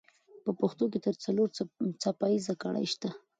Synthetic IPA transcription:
pəpaxt̪ok̬et̪əɾt͡saloɾt͡sapajizaka̰ɽa̰jʃt̪a

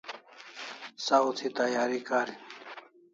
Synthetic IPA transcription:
saut͡s̪ʰit̪ajaːɾikaɾi

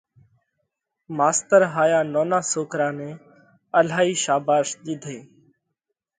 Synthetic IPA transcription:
maːst̪əɾɦaːjaːnoːnaːsoːkɾãːneː | əlaːiːʃaːbaːʃɗ̪ɪd̪ʱeː

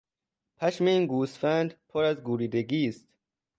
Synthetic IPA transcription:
pʰæʃme̞iːnɡuːsfænd̪pʰoɾæzɡuːɾiːd̪eɡiːst̪

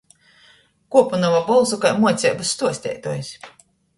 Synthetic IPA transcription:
kuɔpunavabɔlˠzukajmuɔt̪sʲɛjbust̪uɔsʲt̪ʲɛ̰jt̪uɔjs

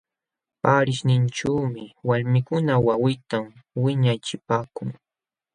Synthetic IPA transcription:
paːɾɪʃnɪnʈ͡ʂaːmɪwaɾmɪkʊnawawɪt̪amwɪɲajt͡ʃɪpaːkʊŋ

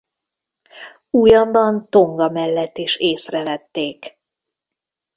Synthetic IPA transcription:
ujɒmbɒnt̪o̞ŋɡɒmɛlːɛt̪ːeːʃeːsrɛvɛt̪ːeːk

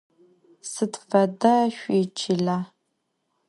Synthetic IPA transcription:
sɨtfɐdɐʃʷiːt͡ʃʰiɮaː

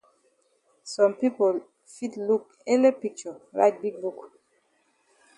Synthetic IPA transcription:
sɔ̃mpipol | fitluk | ɛlepik̚t͡ʃɔɹa̰ɪt̚biɡ̚buk

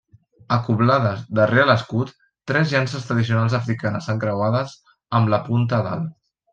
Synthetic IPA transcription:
əkuβlaðəzd̪əreələskut̪ː | ɾɛzʎansəst̪ɾəðisiunalˠzəfɾikanəsəŋkɾəwaðəz | əmləpunt̪əða̰l

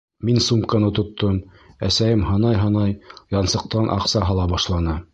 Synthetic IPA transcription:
minsumkɤ̆nɤt̪ŏt̪ʰːɤm | æ̰sæjɘmhɑnɑjɦɑnɑjjɑnsɤ̆q̚t̪ɑnʔɑ̰qsɑɦɑlˠɑbɑʃlˠɑnɤ

